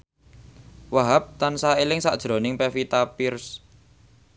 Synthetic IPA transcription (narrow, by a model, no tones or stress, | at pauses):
waɦap̚t̪ansaelɪŋsa̰ʔd̥ʒ̥ɾonɪŋpefit̪apɪrs